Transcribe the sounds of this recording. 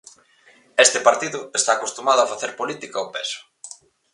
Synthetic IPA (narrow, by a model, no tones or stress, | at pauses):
est̪ɪpaɾt̪iðʊest̪aːkost̪umað̞ʊafaθeɾpolit̪ikɐopesʊ̥